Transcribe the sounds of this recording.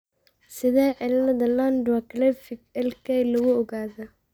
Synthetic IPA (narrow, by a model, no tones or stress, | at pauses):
sɪðɛːʕɪlnɐðɐlandwakʰlɛfɪkɛlkʰɛjlɐɣʊɔɣaːðɐ